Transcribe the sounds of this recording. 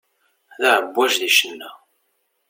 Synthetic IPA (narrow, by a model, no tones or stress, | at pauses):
ðaʕəbʷːæʒðiʃənːæ